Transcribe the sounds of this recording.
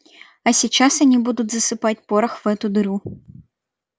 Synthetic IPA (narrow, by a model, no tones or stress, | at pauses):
ɐsʲit͡ʃasɐnʲibud̪ʊdʲzɐsɨpatʲpɔɾɐxvɛt̪ʊd̪ɨɾu